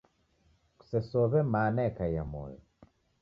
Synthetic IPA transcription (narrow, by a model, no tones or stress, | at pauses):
ku̥sɛsɔβɛmanɛkaja̰mɔ̰jɔ